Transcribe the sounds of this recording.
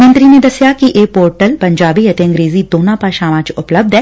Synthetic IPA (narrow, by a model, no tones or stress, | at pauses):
mə̃nt̪ɾined̪ɐsjakiʔeːpoːɾʈəlpɐ̃ɲd͡ʒaːbijɐt̪eɐ̃ŋɡɾeːzid̪oːnãpaʃaːmãt͡ʃʊpləb̚d̪ʱɦɛː